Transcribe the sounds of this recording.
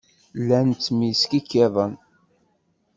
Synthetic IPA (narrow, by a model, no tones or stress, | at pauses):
lːænt͡sːmiskikːeðˤən